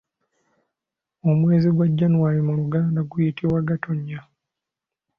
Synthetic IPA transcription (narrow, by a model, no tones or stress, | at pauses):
o̞mwe̞ːziɡwaɟːanuwaɾimuɾuɡaːndaɡujitʰiwaɡatʰoɲːa